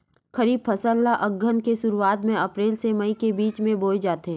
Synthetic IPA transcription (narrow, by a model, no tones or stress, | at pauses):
xɐɾiːb̚pʰɐsəlːaʔɐɡʱːənkeʃʊɾuaːt̪mẽɐpɾeːlsemɐikebiːt͡ʃmẽboːjd͡ʒaːt̪eɦɛ̃ː